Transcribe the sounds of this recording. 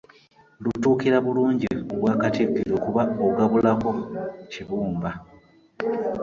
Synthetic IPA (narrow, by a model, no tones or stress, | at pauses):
lutuːkiɾaβuluːɲɟioβwaːkatiɡiɾo̞kuβaoɡaβulako̞ciβuːmba